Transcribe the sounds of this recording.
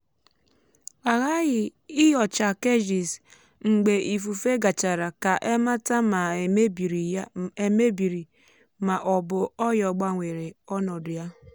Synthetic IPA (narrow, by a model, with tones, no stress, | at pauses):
a˨ɣa˦ɣɪ˨ɪ˦jɔ˨t͡ʃa˨ke˦d͡ʒi˨s | ŋ͡m̩˨ɡ͡be˨ʔi˨fu˨fe˦ɡa˨t͡ʃa˨ɾa˨ka˨ʔe˦ma˦ta˦ma˨˦˨ | e˨me˦bi˨ɾi˨ | ma˨ʔɔ˨bʊ˨ɔ˦jɔ˨ɡ͡ba˦ŋʷe˨ɾe˨ɔ˦nɔ˨dʊ˨ja˦